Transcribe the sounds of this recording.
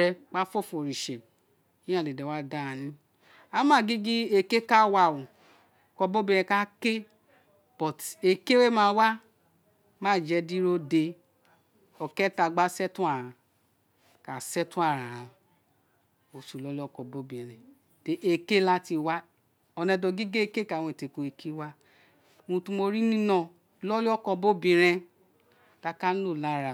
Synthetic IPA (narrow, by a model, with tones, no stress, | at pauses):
ɛ˧k͡pa˦fɔ˦˨fo˨ɾi˨ʃe˨ | ĩ˦ã˦˨le˨dɛ˨wa˦da˦ã˧nĩ˦ | a˨˦mã˦˨ɡi˦ɡi˦e˦ke˦ka˦wa˧˨wũ˨ | kɔ˧bo˦bĩ˦˧ɾɛ̃˧ka˦ke˦ | b̥ɔ˨te˧ke˦we˦mã˧wa˦ | mãː˦˨d͡ʒɛ˧di˦ɾo˦de˧ | ɔ˨kɛ˦ta˧ɡ͡ba˦sɛ˦tũ˦a˦˨ɾã˨ | ka˨sɛ˦tũ˦a˦˨ɾa˨ã˧˨ | o˨˧su˨lɔ˦li˦ɔ˦kɔ˧bo˦˨bĩ˨ɾ̃ɛ̃˨ | te˨ʔe˧ke˦la˦ti˧wa˦ | ɔ˧nɛ̃˧dɔ˧ɡi˦ɡe˦e˦ke˦ka˨w̃ẽ˨te˨ko˧e˧ki˦wa˦˨˦ | ũ˧tũ˦mo˧ɾi˦nĩ˦nɔ̃˧˨ | lɔ˦li˦ɔ˦kɔ˧bo˦˨bĩ˧ɾ̃ɛ̃˧ | la˧ka˦n̩˦lo˦˨la˨˦˨ɾa˧